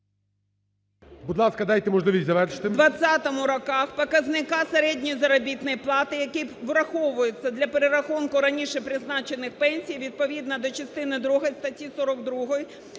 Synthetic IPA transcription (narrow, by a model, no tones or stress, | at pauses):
bud̪lˠɑskɐd̪ajt̪eɛmɔʒlˠɪʋʲisʲtʲzɐʋɛrʃɪ̥t̪ɪd̪ʋɐt͡sʲːat̪ɔmʊɾɔkɑxpɔkɐznɪkɑseɾɛdʲnʲɔjizɐɾɔbʲit̪nɔjplˠɑt̪ɪjɐkiʋɾɐxɔʋʊjʊt͡sʲːɐd̪lʲɐpeɾeɾɐxunkʊɾɐnʲiʃɛpɾɪznɑt͡ʃenɪxpɛnʲsʲijʋʲid̪̚pɔʋʲid̪nɐd̪ɔt͡ʃɐst̪ɪnɪd̪ɾuɦɐjst̪ɐtʲisɔɾɔɡ̚d̪ɾuɦɔji